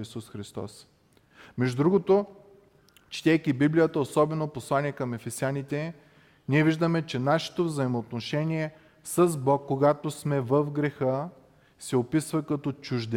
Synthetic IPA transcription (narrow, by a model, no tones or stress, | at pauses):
isusxɾist̪ɔ̰s | mɛʒd̪ud̪ɾuɡot̪o | t͡ʃi̥t̪ɛjkibiblijət̪əosɔbɛnoposlˠaniɛkɐmɛfɛsianit̪ɛ | niɛviʒd̪əmɛt͡ʃɛnaʃɛ̥t̪ovzɐimoːt̪noʃɛnʲiɛ | səzbɔkːoɡat̪osmɛvəfɡɾɛxɤ | sɛopisvɐkɐt̪ɔt͡ʃuʒd̪ɛ